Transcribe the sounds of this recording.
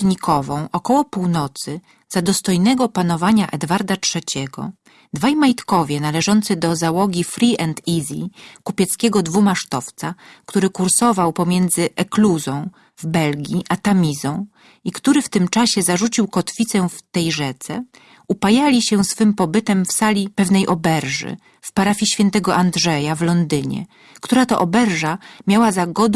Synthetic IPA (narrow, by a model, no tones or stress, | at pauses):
ɲikʰɔvɔ̃w̃ʔɔkɔwɔpuwnɔt̪sɘ | z̥ad̪ɔst̪ɔjnɛɡɔpan̪ɔvaɲaʔɛd̪vaɾd̪atʂɛt͡ɕɛɡɔ̰ | d̪vajmajt̪kɔvʲjɛnalɛʐɔnt̪sɘd̪ɔzawɔɡʲifɾʲiʔɛnt̪ʰizʲḭkupʲjɛt̪skʲɛɡɔd̪vumaʂt̪ɔft̪sakt̪uɾɘkuɾsɔvawpɔmʲjɛnd̪zɘʔɛkluzɔ̃w̃ | vbɛlɡʲiʔat̪amʲizɔ̃w̃ | ikt̪uɾɘft̪ɘmt͡ʂaɕɛzaʐut͡ɕiwkɔt̪fʲit̪sɛft̪ɛjʐɛt̪sɛ | upajalʲiɕɛsfɘmpɔbɘt̪ɛmfsalʲipɛvnɛjʔɔbɛɾʐɘ̰ | fpaɾafʲiɕfʲjɛnt̪ɛɡɔʔand̪ʐɛjavlɔnd̪ɘɲɛ̰ | kt̪uɾat̪ɔʔɔbɛɾʐamʲjawazaɡɔd̪